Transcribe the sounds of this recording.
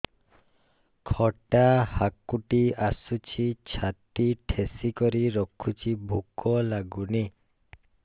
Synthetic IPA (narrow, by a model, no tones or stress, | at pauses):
kʰɔʈahakuʈiasut͡ʃʰit͡ʃʰat̪iʈʰesikɔɾiɾɔkʰut͡ʃʰibʱukɔlaɡuni